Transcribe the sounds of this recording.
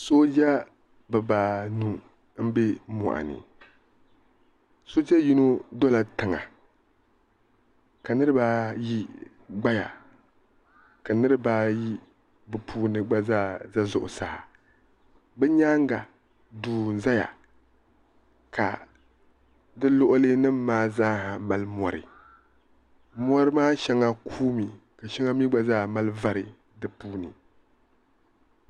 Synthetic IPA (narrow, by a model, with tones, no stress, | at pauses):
so˦d͡ʒa˦ | bɨ˨baː˨nu˦ | m̩˦be˦mɔ̰˨ʔa̰˨nɨ̰˨ | so˦t͡ʃɛ˦ji˦no˦dɔ˦la˨tɨ˨ŋa̰˨ | ka˨nɨ˦ɾɨ˦ba˦ji˦ | ɡ͡ba˦ja̰˨ | ka˨nɨ˦ɾɨ˦baː˦ji˦ | bɨ˨pʰuː˦nɨ˦ɡ͡ba˦za˦za˦zʊ˨ʔʊ˨sa˦˨ha˨ | bɛ˦ɲaː˦ŋ˦ɡa˨ | duː˨n˨za˦ja̰˨ | ka̰˨ | dɨ˦lʊ˦ʔʊ˦lɨ˦nɨ˦mːaː˦zaː˦ha˨ma˨lmɔ˨ɾɨ̰˨ | mɔ˦ɾɨ˦maː˦ʃa˦ŋa˦kʰuː˦mi˨ | ka˨ʃa˦ŋa˦mi˦ɡ͡ba˦zaː˦˨ma˦lɨ˦va˦ɾɨ˨ | dɨ˦puː˦nɨ˨